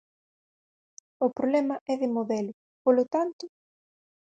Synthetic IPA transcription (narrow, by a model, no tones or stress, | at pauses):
ʊpɾoβlɛmɐʔɛðɪmoðɛlʊ | polot̪ant̪ʊ